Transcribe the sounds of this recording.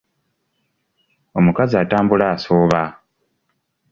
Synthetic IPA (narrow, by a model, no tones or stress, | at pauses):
o̞mukaziataːmbulaːsoːβa